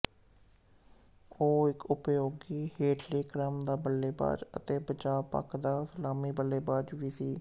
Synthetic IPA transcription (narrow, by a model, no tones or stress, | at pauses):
oːɪkʊpjoːɡiːheːʈʰleːkɾəmd̪aːbəlːeːba̰ːd͡ʒə̰t̪eːpəd͡ʒaːpə̰kʰd̪aːsəlaːmiːbəlːeːbaːd͡ʒʋiːsiː